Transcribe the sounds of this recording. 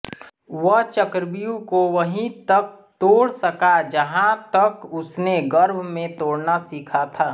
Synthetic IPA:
ʋəɦt͡ʃəkɾbijũkoʋɐɦĩt̪ɐk̚ | t̪oːɽsəkad͡ʒəɦãt̪ɐkʊsneɡɐɾbʱmẽt̪oːɽnasiːkʰat̪ʰaː

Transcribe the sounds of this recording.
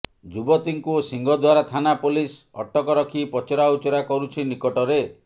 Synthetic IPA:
d͡ʒubɔt̪iŋkusiŋɡʱɔd̪waɾat̪ʰanapulisɔ̰ʈːɔkɔɾɔkʰipɔt͡ʃɔɾaut͡ʃɔɾakɔɾut͡ʃʰinikɔʈɔɾe

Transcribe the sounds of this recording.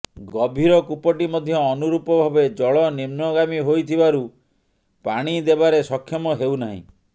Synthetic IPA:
ɡɔbʱiɾɔkupɔʈimɔd̪ʱjɔːnuɾupɔbʱabed͡ʒɔɭɔnimnɔɡamiɦojt̪ʰibaɾu | paɽ̃id̪ebaɾesɔkʰːjɔmɔɦewnaɦḭ̃

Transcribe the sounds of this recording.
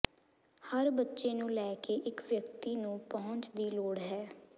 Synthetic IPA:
həɾbətːʃeːnũːlɛːkeːʔɪkʋjək̚t̪iːnũːpɔɦʊ̃ɲt͡ʃd̪iːloːɽɦɛː

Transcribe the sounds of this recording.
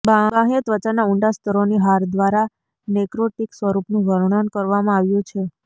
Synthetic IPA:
baãɦjət̪ʋət͡ʃanauɳɖast̪ʰəɾoniɦaɾd̪ʋaɾa | nɛkɾoʈiksʋəɾupnũʋʱəɾɳənkəɾʋamãaʋjũt͡ʃʰe

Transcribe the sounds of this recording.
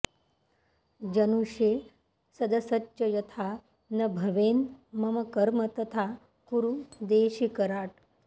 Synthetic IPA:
d͡ʒɐnuʃeː | sɐd̪ɐsɐt͡ʃːɕɐjɐt̪ʰaː | nɐbʱɐʋeːnmɐmɐkɐɾmɐt̪ɐt̪ʰaː | kuɾud̪eːʃikɐɾaːʈ

